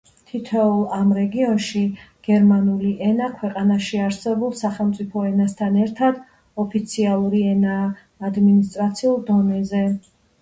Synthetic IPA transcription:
t̪ʰit̪ʰɛulˠamɾɛɡiɔnʃiɡ̥ɛɾmanuliʔɛnakʰwɛqʼanaʃiaɾsɛbulˠsaχɛlˠmt̪sʼipʰɔɛnast̪ʰanɛɾt̪ʰad̪ | ɔpʰit̪sʰialˠuɾiɛnaː | d̪minist̪ʼɾat̪sʰiulˠd̪ɔnɛzɛ

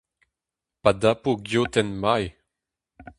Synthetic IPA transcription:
padapoɡjot̪ɛnmaj

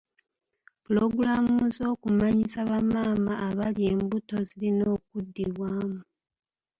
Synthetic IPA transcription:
pulo̞ɡuɾamuzo̞ːkumaɲisaβamaːmaːβalje̞ːmbuto̞zilino̞ːk̚udːiβwaːmu

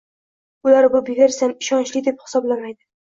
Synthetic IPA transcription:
ʊlaɾbʊbeɡʲaɾsanɪʃɒnt͡ʃlɪd̪ephɪ̥sɒblamajd̪ɪ

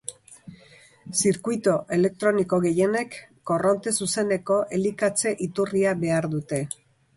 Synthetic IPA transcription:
siɾkujt̪oʔe̞le̞k̚t̪ɾo̞niko̞ɣe̞je̞ne̞kː | o̞ro̞nt̪e̞suse̞ne̞ko̞ʔe̞likat͡se̞ʔit̪uriaβe̞aɾðut̪e̞

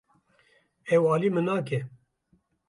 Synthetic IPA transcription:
ɛwɑːliːmɨnaːkɛ

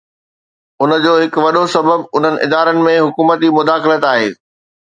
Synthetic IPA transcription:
ʊnə̆d͡ʑoːɦɪkʋɐɗosɐbəbʊn̤ənɪ̆ʔɪd̪aːɾənɪ̆mẽɦʊkuːmət̪imʊd̪aːxɪlət̪aːɦeː

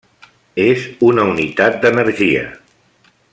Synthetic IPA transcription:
ezunəunit̪at̪̚d̪ənəɾʒiə̰

